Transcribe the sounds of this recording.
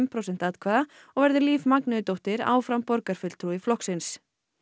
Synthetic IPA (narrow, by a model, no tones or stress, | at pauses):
mpʰɾosɛnt̪aːðt̪kʰvaða | ɔɣvɛɾðʏliːvmaknʏʏt̪owht̪ɪɾa̰ːwfɾampɔɾkaɾ̥fʏl̥t̪ʰɾuɪflɔhksɪns